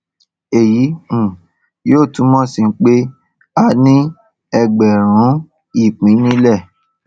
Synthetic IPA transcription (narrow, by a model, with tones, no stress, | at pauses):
e˨ji˨˦ũ˨ | joː˦˨tũ˨˦mɔ̃˦sĩ˧˦k͡pe˦ | a˧nĩ˦ | ɛ˧ɡ͡bɛ˨ɾ̃ũ˨˦ | i˦˨k͡pĩ˨˦nĩ˦lɛ˦˨